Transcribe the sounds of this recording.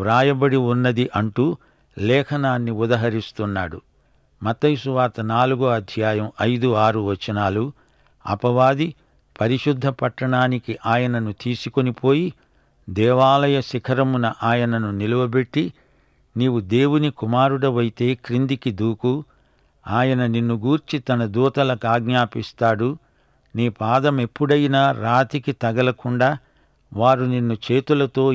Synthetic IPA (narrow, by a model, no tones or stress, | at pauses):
ɾaːjɐbɐɽiunːɐd̪iʔɐɳʈuː | lɛːkʰɐnaːnːiud̪ɐɦɐɾist̪unːaːɽu | mɐt̪ːɐjsuʋaːɾt̪ɐnaːluɡuɐd̪ʱjaːjɐmɐjd̪uaːɾuʋɐt͡ʃːɐnaːlu | ɐ̰pɐʋaːd̪i | pɐɾiʃud̪ʱːɐpɐʈːɐɳaːnikiʔaːjɐnɐnut̪iːsukonipoːji | d̪ɛːʋaːlɐjɐʃikʰɐɾɐmunɐʔaːjɐnɐnuniluʋɐbe̞ʈːi | niːʋud̪e̞ːwunikumaːɾuɽɐʋɐjit̪e̞ːkɾind̪ikid̪uːku | aːjɐnɐninːuɡuːɾt͡ʃit̪ɐnɐd̪uːt̪ɐlɐkaːɡɲaːpist̪aːɽu | niːpaːd̪ɐme̞pːuɽɐjnaːɾaːt̪ikit̪ɐɡɐlɐkuɳɖaː | ʋaːɾuninːut͡ʃe̞ːt̪ulɐt̪o̞ː